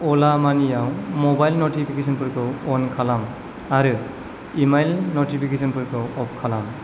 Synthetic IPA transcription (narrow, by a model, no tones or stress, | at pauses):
ɔlamanijaw̃mɔbajlnoʈipʰikesʰɔnpuɾkɯɔnkʰalam | aɾɯ | imajlnoʈipʰikesɔnpuɾkɔɔp̚kʰalam